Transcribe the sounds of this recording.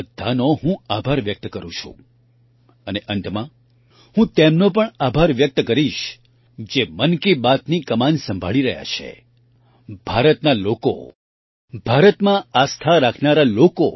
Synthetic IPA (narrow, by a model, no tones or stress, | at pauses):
d̪ʱːanoɦũabʱaɾʋjək̚t̪kəɾṵ̃t͡ʃʰṵ̃ | əneʔənt̪mã | hũt̪emnop̬əɳabʱaɾʋjək̚t̪kəɾiʃ | d͡ʒemənkibat̪nikəmansə̃mbʱa̰ɭiɾə̰ɦja̰t͡ʃʰḛ | bʱaɾət̪naloko̰ | bʱaɾət̪mãast̪ʰaɾakʰnaɾaloko